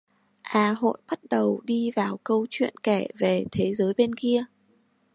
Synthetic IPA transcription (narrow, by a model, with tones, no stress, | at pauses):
ʔaː˨˦ɦo̰˧˨jɓə˦˥t̚ɗə˨˩wɗi˧vaː˨˩wkə˧wt͡ɕwḭ˧˨ənkɛ˧˩ve˨˩t̪ʰe˨˦zəː˨˦jɓe˧nki˧ə